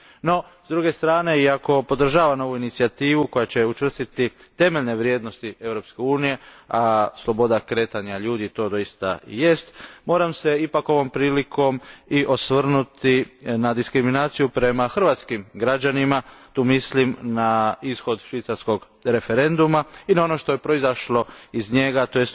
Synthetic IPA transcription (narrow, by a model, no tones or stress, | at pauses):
no̞ | zd̪ɾuɡe̞st̪ɾaːne̞iako̞po̞d̪r̩ʒaːʋano̞ʋuinit̪siat̪iːʋuko̞jat͡ɕe̞ut͡ʃʋr̩st̪it̪it̪e̞meʎne̞ʋɾje̞ːd̪no̞st̪ie̞ʋɾo̞pske̞uːnije̞aslˠo̞bo̞d̪akɾe̞ːt̪aɲaʎuːd̪it̪o̞ːd̪o̞jist̪a̰je̞st̪mo̞ːɾamse̞ipako̞ʋo̞mpɾiːlikʰo̞miʔo̞sʋr̩nut̪inad̪iskɾiminaːt̪sijupɾe̞maxr̩ʋat̪skimɡɾad͡ʑanimat̪uːmislimnaisxo̞d̪ʃʋit̪saɾsko̞ɡ | ɾe̞fe̞ɾe̞nd̪umainao̞no̞ʃt̪o̞jepɾo̞izaʃlo̞izɲe̞ɡat̪ojest̪